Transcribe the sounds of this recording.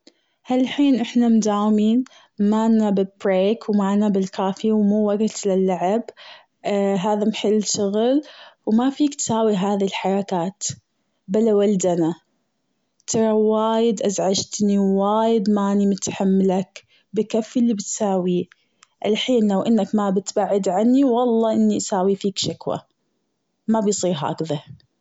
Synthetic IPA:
halħiːnʔɪħnamd̪aːwmiːn | maːnːabɪlbɾeːkwmaʕnabɪlkaːfiwmuːwaɡt̪lɪlːaʕɪb | ɦaːðamħɪlːʃʊɣlwmafiːkt̪saːwiɦaːðilħɑɾˤɑkaːt̪ | balawald̪ana | t̪ʰɑɾˤɑwaːjɪd̪ʔazʕad͡ʒt̪niwaːjɪd̪maːnimʊt̪ħamːlak | bɪkafːɪlːibɪt̪saːwi | ʔɪlħiːnlawʔɪnːakmabɪt̪baʕːɪd̪ʕanːiwɑlˤːɑːʔɪnːiʔsaːwifiːkʃakwa̰ | mabɪjsˤiːɾɦa̰a̰kða

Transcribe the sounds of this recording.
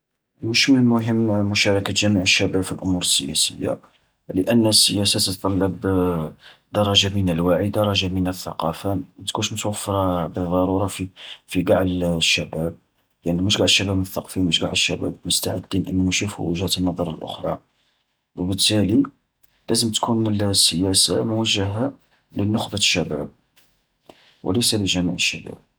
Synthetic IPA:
mʊʃmənlmʊɦəmːmʊʃɑɾˤɑkat̪ʒæmiʕəʃːæbæbfilʔʊmuɾəsːəjæ̰sə̰jːa̰ | ləʔənːsːəjæsat̪ət̪t̪ˤɑlːɑb | d̪̥ɑɾˤɑʒamənəlwaʕid̪ɑɾˤɑʒamənəθːɑ̰qɑfamæt̪kunʃmət̪wəfːɑɾˤbəðˤːɑɾuɾˤɑfifiɡɑʕlʃːæbæb̚ | jaʕniməʃɡaʕəʃːæbæbnəθːɑqfiməʃɡaʕəʃːæbæ̰bmʊst̪aʕəd̪ːinʔənːæmæʃufṵwəʒhæt̪ənːɑd̪ˤɑɾˤɑlʔʊ̰xɾˤɑ̰ | wəbət̪ːæli | læzəmt̪kʰunəlsːəjæsamʊwæʒːəɦa | lənːʊxbaʃːæbæ̰b̚ | wə̰ləjsæləʒæmiʕəʃːæbæ̰b̚

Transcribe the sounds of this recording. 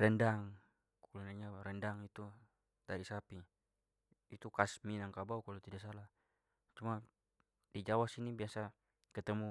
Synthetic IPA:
ɾɛndaŋ | kkulunaɲaɾɛndaŋit̪u | daɾisapi | it̪ukasminaŋkabaukalɔt̪idaʔsala | t͡ʃuma | did͡ʒawasinibiasa | kət̪əmu

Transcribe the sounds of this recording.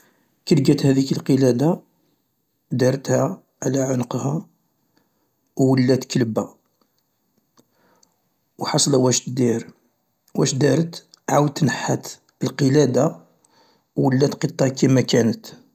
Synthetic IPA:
kəlɡæt̪hæd̪ikəlqəlæd̪a | d̪ɑɾˤət̪hæ | ʕlæʕʊnqhæ | wːəlːæt̪kəlbæ | wħɑsˤlæwæʃd̪iɾ | wæʃd̪ɑɾət̪ | ʕawd̪̚t̪ːnəħːat̪ | əlqəlæd̪a | wːəlːæt̪qət̪ˤːɑʕkæmækænət̪

